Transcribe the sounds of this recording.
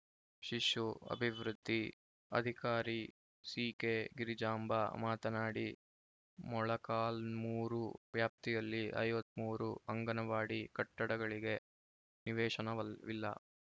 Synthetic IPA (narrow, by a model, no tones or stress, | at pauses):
ʃiʂuɐ̰bʱiʋɾud̪ʱːi | ɐ̰d̪ʱikaːɾi | siːkeːɡiɾid͡ʒaːmbʱɐ̰maːt̪ɐnaːɽi | mɔɭɐkaːlmuːɾuʋjaːp̚t̪ijɐlːiʔɐ̰jʋɐt̪ːmuːɾuɐŋɡɐnɐʋaːɽikɐʈːɐɽɐɡɐɭiɡe̞ | niʋɛːʂɐnɐʋɐʋilːɐ̰